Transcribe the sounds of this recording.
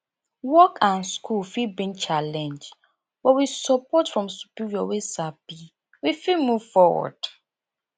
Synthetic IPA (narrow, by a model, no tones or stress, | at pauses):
wɔkʰãnskulfibĩnt͡ʃalɛ̃nd͡ʒ | wɛwisɔpɔtfɹɔ̃msu̥piɹiɔwesabi | wifilmuv̥fɔwɔ̰d̥